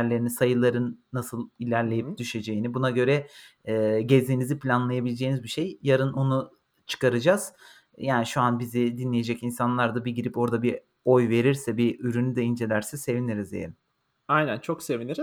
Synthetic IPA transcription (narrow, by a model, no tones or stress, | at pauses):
ɾlʲe̞ɾinisajɯlˠaɾɯnːasɯlˠilʲæɾlʲe̞jip̚d̪yʃe̞d͡ʒe̞jinibunaɟø̞ɾɛː | ɟezʲiniziplʲanlˠajabilʲed͡ʒe̞jinizbiʃe̞jjaɾɯnʔo̞nu | t͡ʃʰɯ̥kaɾɯd͡ʒaz̥ | jaːniʃuanbizid̪inlʲeje̞d͡ʒɛcinsanlˠaɾd̪abiɟiɾipo̞ɾd̪abi | o̞jve̞ɾiɾsɛbiyɾynyd̪ɛind͡ʒe̞lʲæɾsɛse̞viniɾizḛḛɾim | ajnænt͡ʃʰo̞kse̞viniɾi